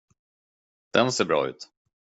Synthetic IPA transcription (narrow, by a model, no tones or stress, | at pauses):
d̪̥ɛnseːɾbɾɑ̰ːʉ̟̰ːt̪